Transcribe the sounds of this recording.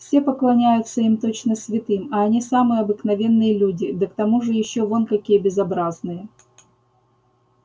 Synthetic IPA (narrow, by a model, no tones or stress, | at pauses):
fsʲe̞pəklˠɐnʲæjʊt̪səimt̪o̞t͡ɕnəsʲvʲɪt̪ɨmɐːnʲisamɨjəɐbɨknɐvʲe̞nːɨjəlʲudʲɪd̪əkt̪ɐmuʐɨjɪɕːovonkɐkʲijəbʲɪzɐbɾaznɨjə